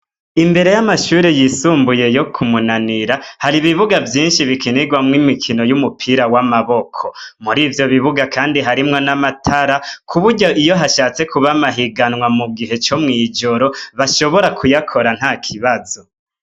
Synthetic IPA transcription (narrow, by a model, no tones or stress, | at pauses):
imbe̞ɾe̞jamaʃuːɾejisuːmbuje̞jo̞kʰumunaniɾahaɾiβiβuɡavjiːnʃiβikʰiniɡwamŋimikʰino̞jumupʰiɾawamaβo̞kʰomuɾiːvjo̞βiβuɡakaːndiɦaɾimŋo̞namatʰaɾakʰuβuɾɟaʔijo̞ɦaʃaːt͡se̞kuβamaɦiɡanŋwamuɡiɦe̞t͡ʃo̞mŋiːd͡ʒo̞ɾo̞βaʃo̞βo̞ɾakʰujakʰo̞ɾan̥haːkʰiβazo̞